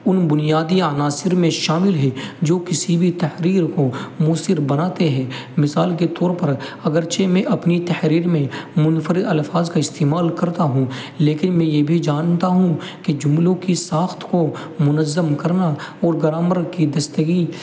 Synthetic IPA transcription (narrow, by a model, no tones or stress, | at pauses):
ʊnbʊnijaːd̪iaːnaːsɪɾmẽʃaːmɪlɦɛd͡ʒoːkɪsibʱit̪ɐhɾiːɾkomuːsɪɾbɐnaːt̪eɦɛ̃ːmɪsaːlket̪ɔːɾpɐɾɐɡəɾt͡ʃemẽʔɐpnit̪ɐhɾiːɾmẽmʊnfəɾiɐlfaːzkaɪst̪eːmaːlkɐɾt̪aɦũ | leːkɪnmɛ̃jebʱid͡ʒaːnt̪aɦũked͡ʒʊmlõkisaːxt̪ʰko | mʊnəzːəmkɐɾnaɔːɾɡɐɾaːməɾkid̪ɐst̪əɡi